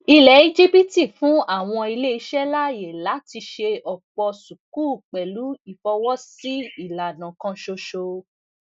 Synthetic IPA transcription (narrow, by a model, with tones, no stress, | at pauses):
i˧lɛ˨˦i˧d͡ʒi˦pi˦ti˦˨fũ˨˦a˦˨w̃ɔ̃˧i˧le˦i˧˦ʃɛ˦la˦je˨la˨˦ti˧ʃe˧ɔ˨k͡pɔ˧su˨ku˦˨k͡pɛ˨lu˨˦i˦˨fɔ˧wɔ˦si˦i˦˨la˨nã˨kã˦ʃo˧ʃo˧